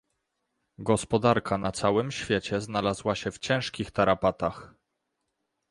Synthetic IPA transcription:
ɡɔspɔd̪aɾkʰanat̪sawɘmɕfʲjɛt͡ɕɛznalazwaɕɛft͡ɕɛ̃w̃ʂkʲixt̪aɾapat̪ax

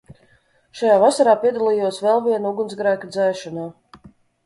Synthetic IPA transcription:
ʃajaːvasaɾaːpʲiɛd̪alˠijuɔsvɛlˠviɛnuɡunsɡɾæːkad̪zɛːʃɔnaː

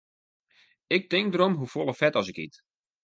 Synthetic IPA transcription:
ɪk̚tɪŋk̚dəɾomɦufolˠəfɛtɔsɪkhḭt

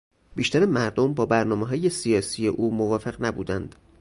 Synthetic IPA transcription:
b̥iːʃt̪æɾemæɾd̪ombɒːbæɾnɒːmeɦɒːje̞sijɒːsiːjeʔuːmovɒːfe̞ɣnæbṵːd̪ænd̪̥

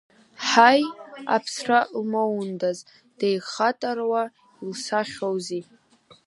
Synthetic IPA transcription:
ħaja̰pʰsralmowndaz | d̥ejχatʼarwa | ilsaχʲowzi

